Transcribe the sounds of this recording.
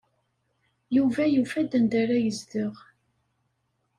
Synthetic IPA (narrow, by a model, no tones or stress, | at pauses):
juvæjufæd̪ənd̪æɾæjəzd̪əʁ